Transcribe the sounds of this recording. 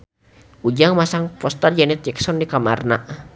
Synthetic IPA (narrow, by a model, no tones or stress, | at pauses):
ud͡ʒaŋmasaŋpɔst̪ard͡ʒanɛt̪̚d͡ʒɛksɔndikamarna